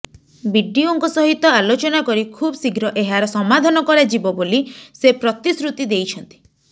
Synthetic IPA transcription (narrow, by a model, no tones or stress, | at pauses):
biɖioŋkusɔɦit̪ɔalot͡ʃɔnakɔɾikʰubɔsiɡɾɔʔeɦaɾɔsɔmad̪ʱanɔkɔɾad͡ʒibɔbolisepɾɔt̪isɾut̪id̪ejt͡ʃʰɔnt̪i̥